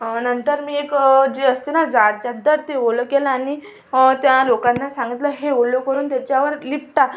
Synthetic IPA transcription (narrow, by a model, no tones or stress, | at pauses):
nənt̪əɾmiːekd͡ʑeəst̪enad͡zaɾt͡ɕjad̪əɾt̪eʋoləkelaːñi | t̪jalokanːasãŋɡit̪ləɦeolokəɾuːnt̪jat͡ɕjaʋəɾlip̚ʈ̪a